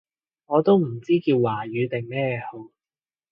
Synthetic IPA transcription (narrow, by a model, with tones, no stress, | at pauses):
ŋɔː˨˧t̪o˥wm̩˨˩t͡siː˥kiː˧wːaː˨˩ɥyː˨˧t̪ɪ˨˩ŋmɛː˥˨ho˨˧